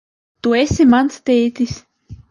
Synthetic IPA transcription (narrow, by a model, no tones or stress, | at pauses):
t̪uesʲemant͡s̪t̪eːt̪isʲ